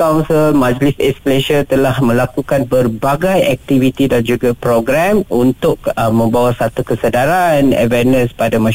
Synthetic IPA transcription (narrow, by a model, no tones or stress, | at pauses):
kawnsəlmãd͡ʒlisɛskleʃət̪əlahmə̃lakukanbərbaɡajɛk̚t̪ivit̪idand͡ʒuɡapɾoɡɾɛmunt̪ʊkəmːə̃mbawasat̪ukəsədaɾanɛ̰vɛnə̃spadamã